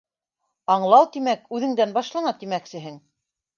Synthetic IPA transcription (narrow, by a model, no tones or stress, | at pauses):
ɑɴlˠɑwt̪imækʉðɘ̆ŋd̪ænbɑʃlˠɑnɑt̪imæksɘ̆ɦɘŋ